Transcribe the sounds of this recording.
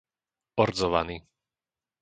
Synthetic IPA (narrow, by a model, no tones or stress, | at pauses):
ɔɾd͡zɔʋa̰niː